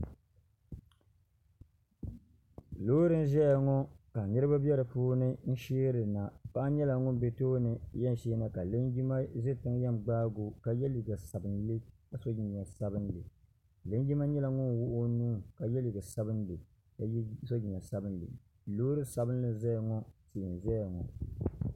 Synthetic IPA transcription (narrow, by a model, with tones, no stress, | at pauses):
loː˦ɾɨ˦n˦ʒɛ˦ja˨ŋɔ˦ka˨nɨ˦ɾɨ˦ba˦bɛ˦ɾɨ˨poː˦nɨ˦n̩˦ʃeː˦ɾɨ˨na˨pa˦ʔa˦ɲɛ˦la˨ŋʊ˦n˦bɛ˨toː˦nɨ˨jɛ˦n˨ʃeː˦na˨ka˨le˦nɡi˦ma˦ʒe˦tɨ˦ŋ˦jɛ˦m˨ɡ͡baː˦ɡo˨ka˨jɛ˦li˨ɡa˨sa˨bɨ˨nlɨ˦ka˨so˦i˨ɲa˨sa˦bɨ˦nlɨ˨ | le˦ŋ˦ɡi˦ma˦ɲɛ˦la˨ŋʊ˦nwʊ˦ʔʊ˦nuː˦ka˨jɛ˦li˨ɡa˨sa˦bɨ˦n˦lɨ˨˦ | so˦d͡ʒi˨ɲ˨ɛ˨sa˦bɨ˦n˦lɨ̰˨ | loː˦ɾɨ˦sa˨bɨ˦n˦lɨ˦zɛ˦ja˨ŋɔ˦se˨n˨ʒɛ˦ja˨ŋɔ̰˨